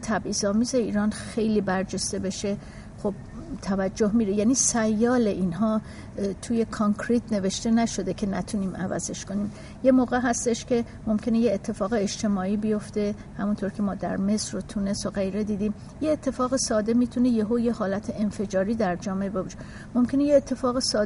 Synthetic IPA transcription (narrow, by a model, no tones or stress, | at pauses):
t̪ʰæbʔiːzɒːmiːze̞iːɾɒnxejliːbæɾd͡ʒe̞st̪e̞be̞ʃe | xob̥̚t̪ʰævæd͡ʒːoɦmiːɾijæniːsæjːɒːle̞ʔiːnɦɒː | t̪ʰuje̞kʰoŋkʰɾit̪ʰne̞ve̞ʃt̪e̞næʃo̞d̪e̞cʰe̞næt̪ʰuniːmæ̰væ̰ze̞ʃkʰo̞niːm | jemoːɣeɦæst̪e̞ʃcʰe̞ | mo̞mcʰʲe̞ne̞jeːt̪ʰːe̞fɒːɣeeʃt̪ʰe̞mɒːiːbijo̞ft̪e̞ | hæmunt̪ʰoɾkʰe̞mɒːd̪æ̰ɾme̞sɾot̪ʰuːne̞st̪oɣejɾe̞d̪iːd̪iːm | jeːt̪ʰːe̞fɒːɣesɒːd̪e̞miːt̪ʰunejeɦoːje̞hɒːlæt̪ʰeenfe̞d͡ʒɒːɾiːd̪æɾd͡ʒɒːmeebebʃe̥ | mo̞mcʰe̞nejeːt̪ʰːe̞fɒːɣesɒː